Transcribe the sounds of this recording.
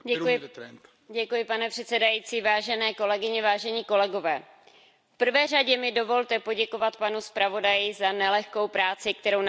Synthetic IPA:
ɛkɪ | ɟɛkujɪpanɛpr̝̥ɛt̪sɛdajiːt͡siːvaːʒɛnɛːko̞lɛɡɪɲɛvaːʒɛɲiːko̞lɛɡo̞vɛː | fpr̩vɛːraɟɛmɪdo̞vo̞lt̪ɛpo̞ɟɛko̞vat̪panuspɾavo̞dajɪzanɛlɛxko̞wpɾaːt͡sɪkt̪ɛɾo̞wn

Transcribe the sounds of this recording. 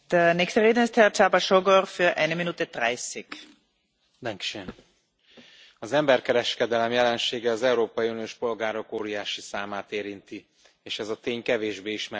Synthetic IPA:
d̪̥əneːkst̪əʁeːd̪ənɪst̪hɛrt͡ʃabaʃoɡorfyʔɛɪnəminuːt̪ɛd̪raɪsik | d̪ɛŋkʃen | ɒzɛmbɛrkɛɾɛʃkɛd̪ɛlɛmjɛlɛnʃeːɡɛɒzɛuɾoːpɒjiuːnijoːʃpo̞lɡaːɾo̞koːɾijaːʃisaːmaːt̪eːɾint̪i | eːʃɛzɒt̪eːɲkɛveːʒbeːiʃmɛ

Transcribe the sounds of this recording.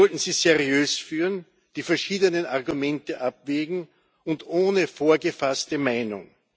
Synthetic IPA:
ɔltn̩z̥iːzɛʁiøːsfyːʁən | d̥iːfɛɐʃiːdənənaʁɡumɛntəʔap̚v̥eːɡŋ̩ | ʊntʔoːnəfoːɐɡəfastəmaɪnʊ̰ŋ

